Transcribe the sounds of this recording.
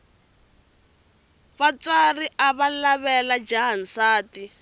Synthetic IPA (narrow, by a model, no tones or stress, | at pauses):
βat͡sariʔaβalaβɛlad͡ʒaɦan̩saːti